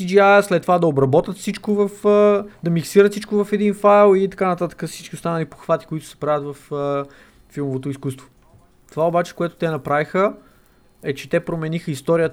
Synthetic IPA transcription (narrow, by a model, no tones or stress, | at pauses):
id͡ʒiajslɛt̪ːovad̪ɐobɾɐbɔt̪ət̪fsit͡ʃkovɐfəd̪ɐmiksiɾət̪sit͡ʃkʊvɐfɛd̪infajlˠit̪ɐ̥kanɐt̪at̪ə̥kəfsi̥t͡ʃkʲiost̪anɐlipo̥xvat̪i̥kʊit̪ʊ̥sɛ̥pɾavət̪vɐfə | filˠmovot̪oiskust̪vo̥ | t̪ovaobat͡ʃɛ̥koɛt̪ʊ̥t̪ɛnɐpɾavixə | ɛt͡ʃɛt̪ɛpɾomɛnixəist̪ɔɾijət̪